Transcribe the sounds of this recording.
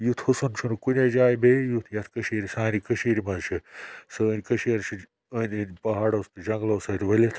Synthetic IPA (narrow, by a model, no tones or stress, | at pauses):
jut̪ʰhusɐnt͡ʃʰunukunʲed͡ʒaːjbʱejut̪ʰjɐt̪ʰkɐʃiːɾʲisaːnikəʃiːɾimɐt͡ʃʰɨsɨːnʲkəʃeːɾt͡ʃʰi | ənʲinpɐɦaːɽost̪ɨd͡ʒɐŋɡloːsɐːt̪ʲʋɐlʲit̪ʰ